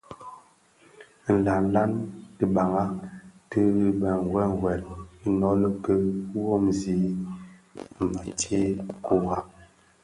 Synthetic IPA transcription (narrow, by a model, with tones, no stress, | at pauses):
n̩˨la˨n̩˨˦la˦nti˨ɓa˨ŋa˦tə˦i˦ɓɛ˨ŋ˨ɡwɛ˦ŋ˨ɡwɛ˨li˦nɔ˦lə˦kə˦wo˦mzi˦˨ | ma˨te˦ku˦wa˨